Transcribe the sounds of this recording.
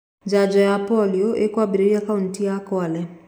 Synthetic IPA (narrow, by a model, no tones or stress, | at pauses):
d͡ʒad͡ʒɔjapɔliɔʔekwabiɾiiakawntijakɔlɛ